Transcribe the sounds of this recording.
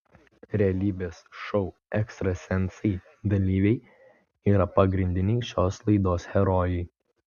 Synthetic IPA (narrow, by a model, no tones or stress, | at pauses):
ɾʲɛɐlʲiːbʲeːsʃɔʊ | ɛkst̪ɾɐsʲɛnˑt̪sɐɪ | d̪ɐlʲiːʋʲɛɪ | iːɾɐpɐɡɾʲɪnʲd̪ʲɪnʲɛɪʃʲoːslˠɐɪd̪oːshʲɛɾɔːjɛɪ